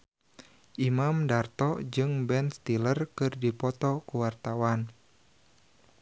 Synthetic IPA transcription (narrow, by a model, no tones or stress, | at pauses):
ʔimamdart̪ɔd͡ʒɨŋbɛnst̪ilərkɨrdipɔt̪ɔkuwart̪awan